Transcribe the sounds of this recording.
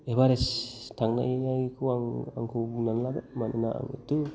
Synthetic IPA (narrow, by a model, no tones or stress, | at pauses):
ebaɾest̪ʰaŋna̰jajkʰuwaŋa̰ŋkʰunanlaɡamanenaa̰ŋḭt̪u